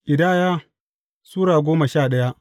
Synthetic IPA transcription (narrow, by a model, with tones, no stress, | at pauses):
ʔɪ˨da˦˨jaː˦ | suː˦ɽaː˨ɡʷoː˦mɐ˨ʃaː˦˨ɗɐ˦ja˦ʔ